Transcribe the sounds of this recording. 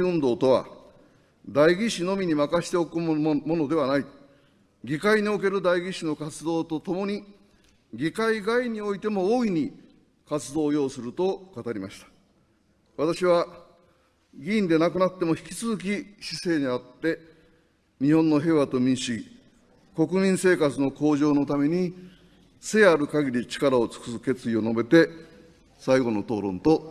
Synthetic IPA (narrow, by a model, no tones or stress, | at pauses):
ɯ̃nd̪o̞ːt̪o̞βa̰ | d̪aiɡʲiɕino̞mʲiɲ̟imakaɕi̥t̪e̞o̞kɯmo̞no̞d̪e̞βanai | ɡʲikaiɲ̟io̞k̬e̞ɾɯ̟d̪aiɡʲiɕino̞kat͡sɨd̪o̞ːt̪o̞t̪o̞mo̞ɲ̟i | ɡʲikaiɡaiɲ̟io̞it̪e̞mo̞oːiɲ̟i | kat͡sɨd̪o̞ːjo̞ːsɨɾɯ̟t̪o̞kat̪aɾʲimaɕi̥t̪ḁ | βat̪aɕiβa | ɡʲĩːnd̪e̞nakɯ̟nat̪ːe̞mo̞çi̥kʲi̥t͡sɨzɨk̬ʲiɕise̞ːɲ̟iat̪ːe̞ | ɲ̟ihõ̞nːo̞ɦe̞βat̪o̞mʲĩɕii | ko̞kɯ̟mʲĩɰ̃se̞ːkat͡sɨno̞ko̞ːʑo̞ːno̞t̪ame̞ɲ̟i | se̞ːaɾɯ̟kaɡʲiɾʲit͡ɕi̥kaɾao̞t͡sɨ̥kɯ̥sɯke̞t͡sɨio̞no̞be̞t̪e̞ | saiɡo̞no̞t̪o̞̰ːɾõ̞̰nt̪o̞